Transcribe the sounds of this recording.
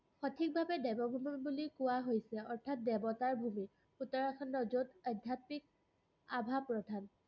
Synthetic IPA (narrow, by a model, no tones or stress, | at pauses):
xotʰik̚bʱabɛdɛbɔbʱumiibulikʊwaɦojsɛɔɹtʰat̚dɛbɔtaɹbʱumi | xutɔɹakʰɔndɔzotədʱatmik̚ | abʱapɹɔdʱan